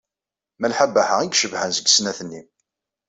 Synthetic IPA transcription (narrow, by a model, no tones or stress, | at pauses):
mælħabːaħaiɡʃəvhənzəɡsnæθənːi